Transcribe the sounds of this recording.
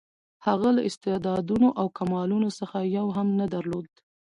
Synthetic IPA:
haɣalaʔɪst̪ɪd̪ɑd̪unoʔawkamɑlunosəxajawɦamnad̪aɾlod̪

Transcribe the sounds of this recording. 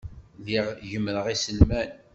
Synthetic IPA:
ðiʁʝəmːɾəʁisəlmæn

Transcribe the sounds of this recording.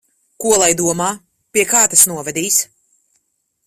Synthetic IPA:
kuɔlˠajd̪uɔmaː | pʲiɛkaːt̪asnuɔvɛd̪iːs

